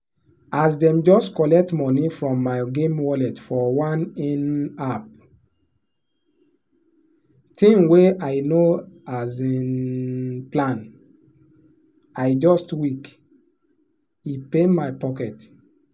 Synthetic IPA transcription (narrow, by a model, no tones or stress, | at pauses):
asdɛ̃md͡ʒɔstkɔlɛk̚tmɔnifɹɔ̃mːaɪɡẽmwɔlɛtfɔwãnɛ̃nap̚ | tʰĩŋweaɪnoazin | plãn | aɪd͡ʒɔstwik | ipemajpɔkɛt